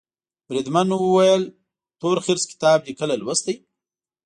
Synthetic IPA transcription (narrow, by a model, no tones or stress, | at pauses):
b̥ɾid̪manwəwajəl | t̪oɾxɪɾskɪ̥t̪ɑbd̪ikəlalwəst̪əj